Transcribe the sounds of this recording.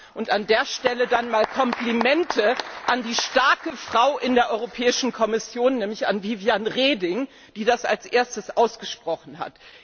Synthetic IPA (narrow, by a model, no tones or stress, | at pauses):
ʔʊntandeːɐʃtɛlədanmaːlkʰɔmplimɛntʰəʔandiːʃtaɐkəfʁ̥aʊʔɪndeːɐʔɔʏʁopʰɛːɪʃn̩kʰɔmɪsjoːnːɛːmlɪça̰nviːvijanʁeːdɪŋ | d̥iːdasa̰lsʔeːɐstəsʔaʊsɡ̥əʃpʁ̥ɔχn̩ɦa̰t